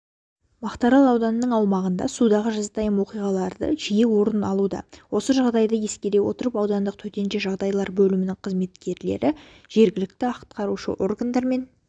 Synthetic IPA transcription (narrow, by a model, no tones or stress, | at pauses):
mɑqt̪ɑɾɑlˠɑwd̪ɑnəːəɴɑwmɑʁənd̪ɑ̰sud̪ɑʁəʒɑzt̪ɑjəmwo̞qijʁɑlˠɑɾd̪ə̰ʒije̞wo̞ɾənɑlˠud̪ɑ̰wo̞səʒɑʁd̪ɑjd̪ɑje̞skʲed̪ewo̞̰t̪əɾəpɑwd̪ɑnd̪əq̚t̪ʰɵt̪e̞nʒeʒɑʁd̪ɑjlˠɑɾbɵlɪmɪnɪŋqʰəzme̞t̪kʲe̞ɾle̞̰ɾɪ | ʒ̥e̞ɾɡʲɪlɪk̚t̪ɪɑqt̪̚qɑɾuʃə̰ʔo̞rɡand̪ɑɾme̞n